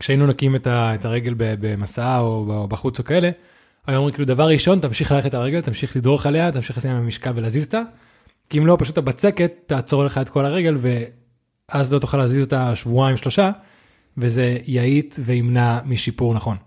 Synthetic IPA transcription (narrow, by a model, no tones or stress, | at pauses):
kʃeainunokimetaetaʁe̞ɡe̞lbebemasaaobabaχut͡so̞kae̞le̞ | ajoomʁikiːlud̪avaʁiʃo̞ntamʃiχlaleetaʁeɡelt̪amʃiχlido̞eχale̞at̪amʃiχlesajamamiʃkalvelaːzizot̪a | kiimlo̞paʃut̪abat͡se̞ke̞t̪ːaːt͡so̞ʁleχaet̪kolaʁe̞ɡe̞lve̞ | azlo̞t̪uχalaːzizo̞taʃvuaimʃlo̞ʃa | veze̞jaitve̞imnamiʃipuʁnaχo̞n